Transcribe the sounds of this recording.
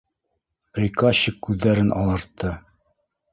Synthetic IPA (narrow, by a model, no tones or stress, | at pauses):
pɾʲikɑɕɘkːʉðːæɾɘnʔɑ̰lˠɤ̆ɾt̪ːɤ